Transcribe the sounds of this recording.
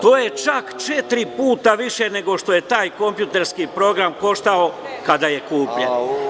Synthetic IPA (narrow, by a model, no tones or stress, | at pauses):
t̪oːje̞t͡ʃakt͡ʃe̞t̪ɾipuːt̪aʋiʃe̞ne̞ɡo̞ʃt̪o̞je̞t̪aːjko̞mpjut̪e̞ɾskipɾo̞ɡɾamko̞ʃt̪ao̞kad̪aje̞kuːpʎe